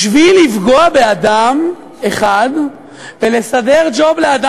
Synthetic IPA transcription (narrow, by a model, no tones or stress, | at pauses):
ʃvilifɡoabe̞ad̪am | eχad̪ | ve̞le̞sade̞ʁd͡ʒoblead̪a